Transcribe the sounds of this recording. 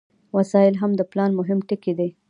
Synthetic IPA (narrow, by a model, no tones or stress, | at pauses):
wasɑɪlɦamd̪əplɑnmʊɦɪmʈɪked̪e